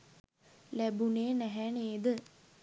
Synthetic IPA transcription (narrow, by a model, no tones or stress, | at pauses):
læbuneːnæɦɛneːd̪ə